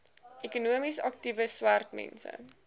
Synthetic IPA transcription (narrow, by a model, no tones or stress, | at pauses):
ekunuəmisɐktivəswærtmɛ̰nsə̰